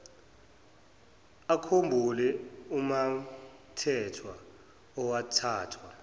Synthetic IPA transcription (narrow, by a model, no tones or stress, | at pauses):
akʰombʱulɛumatʰɛtʰwa | ɔwatʰaːtʰwa